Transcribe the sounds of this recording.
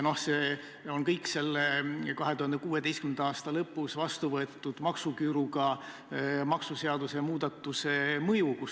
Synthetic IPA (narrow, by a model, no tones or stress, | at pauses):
no̞hse | onkɤjkse̞lːekɑɦe̞t̪uhɑnd̪ekuːe̞d̪e̞jskymend̪̥ɑɑːst̪ɑlɤpˑːusvɑst̪uvɤet̪ːˑud̪̥mɑksukyɾuɡɑ | mɑksuse̞ɑd̪̥use̞muːd̪̥ɑt̪ˑːusemɤjukus